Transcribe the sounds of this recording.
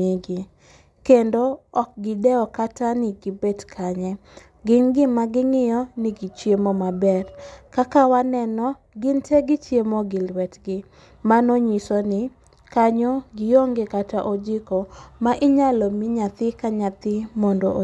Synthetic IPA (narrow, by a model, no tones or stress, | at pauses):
iɡɪ | kendoɔk̚ɡɪdɛɔkatanɪɡibedkʰaɲɛ | ɡɪnɡɪmaɡɪŋɪjɔnɪɡit͡ʃjemomabɛrkakawanɛnɔ | ɡɪntʰeɡɪt͡ʃjemoɡɪlwɛtɡɪ | manoɲisɔnɪ | kaɲɔɡɪjoŋɡekataʔod͡ʒɪkomaʔɪɲalɔmɪɲat̪ɪkaɲat̪ɪmɔndoʔ